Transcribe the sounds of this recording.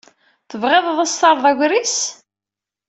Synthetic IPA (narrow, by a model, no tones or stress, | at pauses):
θəvʁeðˤðˤəst̪ɑɾˤðˤæʝʷɾis